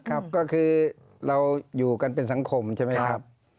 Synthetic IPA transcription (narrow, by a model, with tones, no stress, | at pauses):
kʰa˦˥p̚kɔː˥˩kʰɯː˧ | ɾa˧wjuː˨˩ka˧npe˧nsa˩˦ŋkʰo˧mt͡ɕʰa˥˩ma˦˥jkʰa˦˥p̚